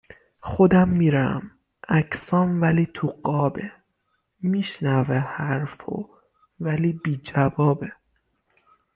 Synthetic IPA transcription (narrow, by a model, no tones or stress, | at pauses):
xod̪æmːiːɾæ̰m | ʔæcsɒːnvæliːt̪ʰuɢɒːbe | miːʃnævehæɾfo̰ | væliːbiːd͡ʒævɒːbe